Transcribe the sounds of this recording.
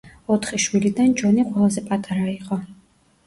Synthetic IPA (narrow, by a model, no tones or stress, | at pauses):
ɔt̪ʰχiʃwilid̪ant͡ʃʰwɛniqʼwɛlˠazɛpʼat̪ʼaɾaiqʼɔ